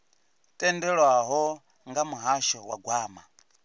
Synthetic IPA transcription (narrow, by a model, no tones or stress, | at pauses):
tʼɛndɛlwaɦɔ | ŋɡamuɦaʃɔwaɡwaːma